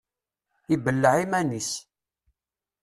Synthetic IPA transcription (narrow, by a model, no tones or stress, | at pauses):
ibəlːəʕimænis